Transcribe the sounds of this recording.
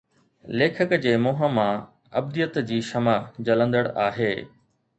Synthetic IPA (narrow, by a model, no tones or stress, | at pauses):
leːkʰəkd͡ʑeːmoːɦəmã | ɐ̰b̚d̪ijət̪d͡ʑiːʃɐmad͡ʑɐlə̃nd̪əɽaːɦeː